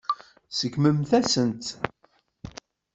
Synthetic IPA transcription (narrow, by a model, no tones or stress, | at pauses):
səkːməmθæsənt̪